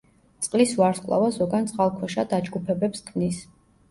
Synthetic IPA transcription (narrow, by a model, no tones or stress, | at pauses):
t̪sʼqʼlisvaɾskʼlˠa̰vazɔɡant̪sʼqʼalˠkʰɛʃad̪ad͡ʒɡupʰɛbɛpskʰmnis